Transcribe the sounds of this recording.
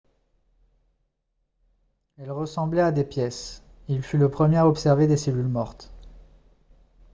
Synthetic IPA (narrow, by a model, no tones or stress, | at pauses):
ɛlʁəsɑ̃blɛad̪epjɛs | ilfyləpχəmjeaɔpsɛʁved̪eselylmɔʁt̪